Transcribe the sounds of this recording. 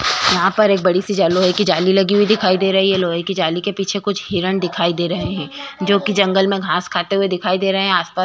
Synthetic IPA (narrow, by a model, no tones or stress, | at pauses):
jɐɦãpɐɾeːk̚bɐɽisid͡ʒaloːɦekid͡ʒaːlilɐɡiɦuid̪ɪkʰaːid̪eːɾɐɦiɦɛloːɦekid͡ʒaːlikepiːt͡ʃʰekʊt͡ʃʰɦiːɾəɳd̪ɪkʰaːid̪eːɾɐɦeɦɛ̃ːd͡ʒoːkid͡ʒɐ̃ŋɡəlmẽɡʱãːskʰaːt̪eɦued̪ɪkʰaːid̪eːɾɐɦeɦɛ̃aːspaː